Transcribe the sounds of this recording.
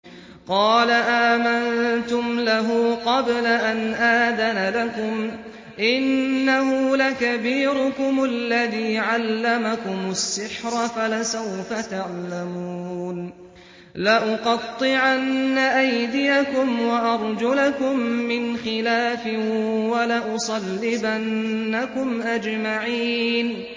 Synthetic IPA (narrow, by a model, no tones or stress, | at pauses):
qɑːlaʔaːmant̪ʊmlaɦuːqɑblaʔanʔaːd̪analakʊm | ʔɪnːahʊlakabiːɾʊkʊmalːaðiːʕalːamakʊmʊsːɪħɾˤafalasawfat̪aʕlamuuːn | laʔʊqɑt̪ˤːɨʕanːaʔajd̪ɪjakʊmwaʔɑɾˤd͡ʒʊlakʊmːɪnxɪlaːfɪwalaʔʊsˤɑlːɪbʔanːakʊmʔad͡ʒmaʕiːn